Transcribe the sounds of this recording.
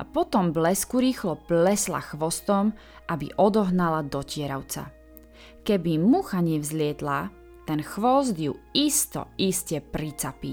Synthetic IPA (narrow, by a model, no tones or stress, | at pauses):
apɔt̪ɔmblɛskuɾiːxlɔplɛsla̰xʋɔst̪ɔm | ʔabḭʔɔd̪ɔɦnalad̪ɔcɪɛɾaʊt͡sa̰ | kɛbimuxaɲɛvzlɪɛt̪la | t̪ɛnxʋɔzd̪juist̪ɔ̰iscɛpɾit͡sapi